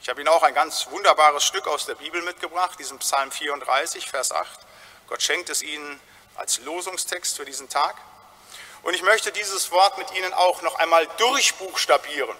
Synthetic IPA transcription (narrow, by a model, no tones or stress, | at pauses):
ʔɪçhaːbəiːnənaʊxaɪnɡant͡sv̥ʊndɐbaːʁ̞əsʃtʏkaʊsd̥eːɐbiːbl̩mɪt̚ɡ̥əbʁaχtd̥iːzəmpsalmfiːɐʊntd̥ʁa̰ɪsɪçfɛɐsʔa̰χt | ɡ̥ɔtʃɛŋk̚tɛsʔiːnən | ʔa̰lsloːzʊŋstʰɛkstfyːɐdiːzn̩tʰaːk | ʔʊntɪçmœçtədiːzəsv̥ɔɐtmɪtʔiːnəna̰ʊxnɔχʔaɪnmaːldʊʁçb̥uːxʃtabiːʁən